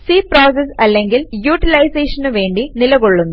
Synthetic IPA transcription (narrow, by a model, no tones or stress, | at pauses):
siːproːs̬esɐlːeŋɡiljuːʈːilɐjseːʂɐnɨʋe̞ːɳɖinilɐɣoɭːunːu